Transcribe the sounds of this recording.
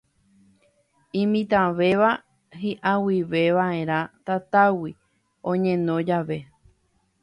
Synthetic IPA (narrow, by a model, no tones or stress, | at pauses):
ĩmĩt̪ãʋe̞ʋa | ɦiʔawiʋe̞ʋaẽ̞ɾ̃ãt̪at̪awi | õɲẽnõ̞d͡ʒaʋe̞